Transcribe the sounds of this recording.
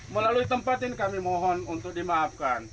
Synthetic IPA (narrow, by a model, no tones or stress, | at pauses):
məlaluit̪əmpat̪ɪnkamimɔɦɔnunt̪ʊk̚dimaːfkan